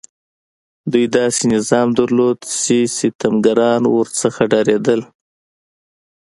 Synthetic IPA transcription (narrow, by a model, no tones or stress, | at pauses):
d̪ujd̪ɑsenɪzɑmd̪aɾlod̪siset̪amɡaɾɑnwəɾt͡səxaɖɑɾed̪əl